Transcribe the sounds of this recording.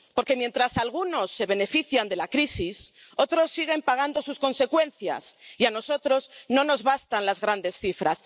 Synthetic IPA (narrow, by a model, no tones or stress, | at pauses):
po̞ɾke̞mje̞nt̪ɾasalɣ̞uno̞sːe̞β̞e̞ne̞fiθjand̪e̞lakɾisis | o̞t̪ɾo̞sːiɣ̞e̞mpaɣ̞and̪o̞susko̞nse̞kwe̞nθja̰siano̞so̞t̪ɾo̞zno̞no̞zβast̪anlazɣɾand̪e̞sθifɾa̰s